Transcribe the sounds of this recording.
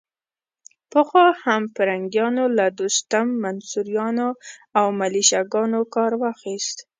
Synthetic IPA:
pəxwɑhampəɾaŋɡjɑnolad̪ost̪amːansuɾjɑnoawmaliʃaɡɑnokɑɾwɑxist̪

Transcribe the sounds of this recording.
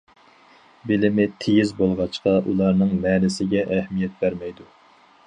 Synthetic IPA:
bɪlɪmɪt̪ʰejizbolˠʁɑt͡ʃqɑʔulˠɑɾnɨŋmɛːnɪsɪɡʲɛʔɛhmijɛt̪̚bæɾmɛjd̪u

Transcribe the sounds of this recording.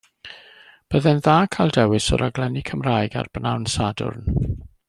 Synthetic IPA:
b̥əðɛnðaːkʰajlˠdɛwɪsɔ̰ɾaɡlɛnikʰəmraːjɡa̰rb̥nawnsadʊ̰rn

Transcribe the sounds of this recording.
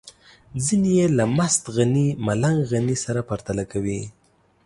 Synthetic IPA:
zinijelamast̪ɣanimalaŋɡɣanisaɾapaɾt̪alakawi

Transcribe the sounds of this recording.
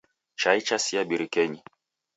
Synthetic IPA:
t͡ʃait͡ʃasiaɓiɾikɛɲi

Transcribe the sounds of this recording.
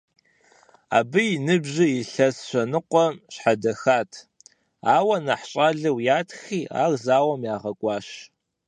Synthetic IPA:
a̰ːbɨjnɨbʑɪjɪɬɐsɕʷɐnɨqʷɔɕħadɐxaːtʰ | aːwɐnaħɕʼaːɮɨwjaːtʰxiːa̰ːɣzaːwɐmjaːʁɐkʷʼɑːʃ

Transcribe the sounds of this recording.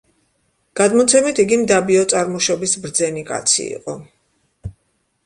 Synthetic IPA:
ɡ̥ad̪mɔt̪sʰɛmit̪ʰiɡimd̪abiɔt̪sʼaɾmɔʃɔbisbɾd̪zɛnikʼa̰t̪sʰḭːqʼɔ

